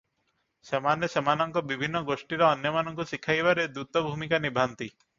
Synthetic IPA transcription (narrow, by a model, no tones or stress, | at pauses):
semanesemanɔŋkɔbibʱinːɔɡoʃʈiɾɔːnjɔmanɔŋkuʃikʰajbaɾed̪ut̪ɔbʱumikanibʱant̪i